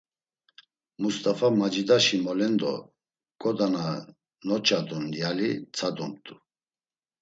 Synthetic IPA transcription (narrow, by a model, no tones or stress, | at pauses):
must̪ʼafamad͡ʒid̪aʃimɔlɛnd̪ɔ̰ | kʼɔd̪ana | nɔt͡ʃʰʼad̪ɔnjalit͡sʰad̪umt̪ʼu